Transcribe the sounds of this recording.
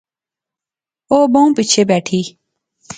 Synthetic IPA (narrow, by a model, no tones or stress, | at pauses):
oːbõːpit͡ɕʰebɛːʈʰiː